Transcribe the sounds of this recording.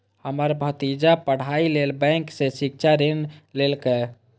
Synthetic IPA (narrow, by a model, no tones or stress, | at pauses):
həməɾbʱət̪id͡ʒapəɽ̤ailelbɛ̃ŋksẽsik̚t͡ʃʰaɾenlelkɛ